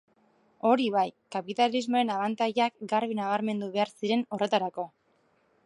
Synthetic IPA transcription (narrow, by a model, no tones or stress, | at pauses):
o̞ɾiβ̞ajkapit̪alizmo̞ɾe̞naβ̞ant̪ajakɡaɾβ̞inaβ̞aɾme̞nd̪uβe̞aɾsiɾe̞no̞re̞t̪aɾako̞